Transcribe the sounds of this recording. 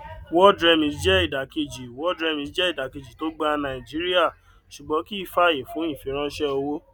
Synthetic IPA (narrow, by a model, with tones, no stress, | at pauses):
wɔ˦dɾɛ˧mĩ˨˦d͡ʒɛ˦i˦˨da˨ke˧d͡ʒi˨wɔ˦dɾɛ˧mĩ˨˧˨d͡ʒɛ˦i˦˨da˨ke˧˨d͡ʒi˨to˦ɡ͡ba˦nã˨i˨d͡ʒi˨˦ɾi˦a˦˨ | ʃu˨ɡ͡bɔ̃˨˧˦ki˦i˦˨fa˦˨je˨fũ˨˦i˦˨fi˧˦ɾ̃ã˦ʃɛ˦o˧wo˦